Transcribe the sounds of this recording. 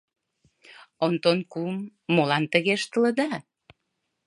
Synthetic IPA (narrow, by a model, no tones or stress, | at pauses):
ont̪onkumːolɑnt̪əɣeʃt̪ə̆lə̆d̪ɑ